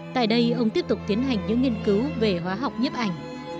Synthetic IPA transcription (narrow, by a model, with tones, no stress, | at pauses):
t̪a̰ː˧˨jɗə˧jʔə˧wŋ͡mt̪i˦˥əp̚t̪ʊ˨˩k͡p̚t̪i˨˦ənɦa˨˩jŋ̟ɲɨ̰˧˥ŋːi˧nkɨ˨˦wve˨˩ɦwaː˨˦ɦa˨˩wk͡p̚ɲə˦˥p̚ʔa˧˩jŋ̟